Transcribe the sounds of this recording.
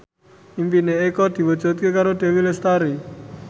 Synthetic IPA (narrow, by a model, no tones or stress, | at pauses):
impineekɔd̪̥i̤wədd͡ʒɔt̪̚kekaɾod̪̥e̤wilest̪aɾi